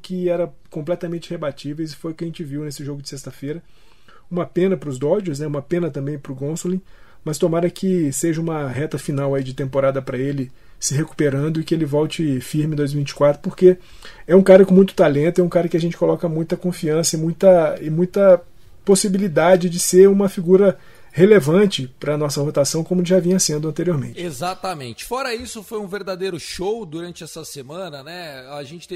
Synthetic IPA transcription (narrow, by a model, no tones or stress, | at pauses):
kɪɛɾɐ̃ | kõmplɛt̪ɐmẽnt͡ʃɪhebat͡ʃivejzɪfojʊkɪɐʒẽnt͡ʃɪviwnesɪʒoɡʊd͡ʒɪsest̪ɐfejɾɐ | ũmɐpẽnɐpɾʊzd̪ɔd͡ʒʊznɛũmɐpẽnɐt̪ɐ̃mbẽj̃pɾʊɡõsolĩ | mɐst̪omaɾɐkʰɪseʒɐ̃ũmɐɦɛt̪ɐfinawaid͡ʒɪt̪ẽmpoɾad̪ɐpɾɐelɪ | sɪɦeku̥peɾɐ̃nd̪ʊɪkɪelɪvɔwt͡ʃɪfiɾmɪ̃d̪ojzmivĩt͡ʃɪ̥kwat̪ɾʊ̥poɾke | ɛũkaɾɐkõmũj̃t̪ʊ̥t̪alẽnt̪ʊɛũkaɾɐkɪaʒẽnt͡ʃɪkolɔkɐmũj̃t̪ɐkõfiɐ̃sɐɪmũj̃t̪ɐɪmũj̃t̪ɐ | posibilid̪ad͡ʒɪd͡ʒɪseɾũmɐfiɡuɾɐ | helevɐ̃t͡ʃɪpɾɐːnɔsɐvot̪asɐ̃w̃kõmʊʒavĩɲɐsẽnd̪ʊɐ̃nt̪eɾioɾmẽt͡ʃezat̪ɐmẽnt͡ʃɪ̥fɔɾɐisʊfojũveɾd̪ad̪ejɾʊʃowd̪uɾɐ̃nt͡ʃɪɛsɐsemɐ̃nɐnɛaʒẽnt͡ʃɪt̪e